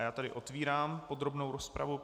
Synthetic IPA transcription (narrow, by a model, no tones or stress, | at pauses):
jaːt̪adɪʔo̞t̪viːɾaːmpo̞d̪ɾo̞bnowɾospɾa̰vu